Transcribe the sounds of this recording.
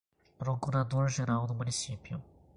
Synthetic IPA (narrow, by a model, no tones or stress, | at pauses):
pɾokuɾad̪oɾʒeɾawd̪ʊmunisipjʊ̰